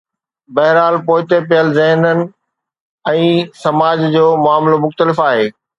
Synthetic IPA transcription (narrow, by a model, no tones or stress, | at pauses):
bɐɦɪɾaːlpoːɪt̪epɪjəlzɐ̃ɦnənɪ̆ | ɛ̃ːsɐmaːd͡ʑd͡ʑoːmʊaːmlomʊxt̪əlɪfaːɦeː